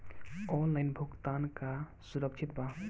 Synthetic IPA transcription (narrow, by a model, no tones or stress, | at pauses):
ɔnlaɪnbʱukt̪ankasuɾəkt͡ʃʰit̪̚ba